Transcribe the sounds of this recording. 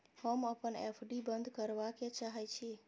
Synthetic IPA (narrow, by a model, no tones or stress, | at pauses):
həməpənḛpʰɖibənd̪ʱkəɾbaket͡ʃaɦɛt͡ʃʰi